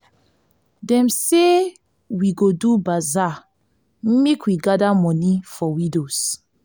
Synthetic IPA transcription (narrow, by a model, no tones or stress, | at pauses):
dɛ̃mse | wiɡodubaza | mekwiɡadamɔnifɔwĩdos